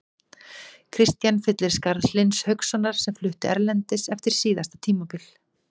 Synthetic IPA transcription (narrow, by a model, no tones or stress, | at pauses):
kʰɾɪst̪janfɪt̪lɪɾ̥skaɾðlɪnshœɥksɔnːaɾ̥sɛmflʏht̪ʏʔɛɾlɛnt̪ɪsɛft̪ɪɾ̥siːðast̪at̪ʰiːmapil